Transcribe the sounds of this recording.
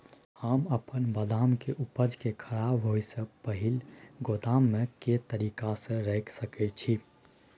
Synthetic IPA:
haməpənbəd̪amkeʔupəd͡ʒkekʰəɾabɦojsə̃pəɦilɡot̪amːeket̪əɾikasə̃ɾəɪksəkɛt͡ʃʰi

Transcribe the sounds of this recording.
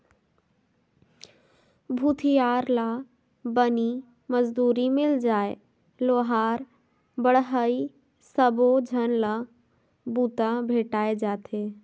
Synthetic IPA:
bʱut̪ʰijaːɾla | bəni | məzd̪uːɾimɪld͡ʒaːe | loːɦaːɾ | bəɽɦəi | səbod͡ʒʱənlə | buːt̪ãbʱeːʈaːed͡ʒaːt̪ʰe

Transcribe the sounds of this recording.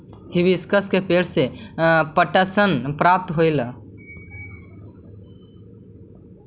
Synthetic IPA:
hiʋiskəskepeːlsepəʈəsənpɾap̚t̪ɦojl

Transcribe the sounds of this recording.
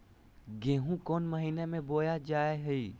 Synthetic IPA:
ɡẽɦũkɔnməɦinemẽbojad͡ʒaeɦəi

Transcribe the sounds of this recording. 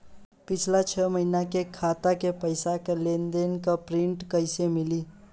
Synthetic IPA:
pɪt͡ʃʰlat͡ʃʰəməɦinakekʰaːt̪akepəɪsakelend̪enkapɾɪ̃ɳʈkəɪsemɪli

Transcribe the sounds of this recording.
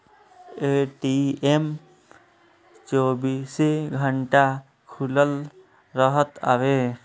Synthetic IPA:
eʈiem | t͡ʃobiseɡʱəɳʈa | kʰuləl | ɾʌɦət̪a̰be

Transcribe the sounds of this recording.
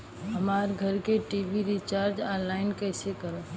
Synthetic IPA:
ɦɐmaːɾɡʱɐɾkeʈiːbiɾit͡ʃaːɾd͡ʒaːnlaːɪnkɛːsekəɾət

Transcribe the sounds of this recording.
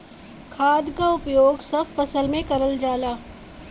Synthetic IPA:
kʰaːd̪kaʊpjoːɡsɐbfɐsəlmẽkɐɾəld͡ʒaːlaː

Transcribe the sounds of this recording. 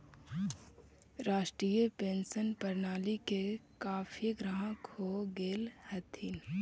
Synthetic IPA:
ɾaːʃʈɾiːjəpẽːnsənpəɾnaːlikekaːfʰiɡɾaɦə̃kʰoːɡeːlhət̪ʰin

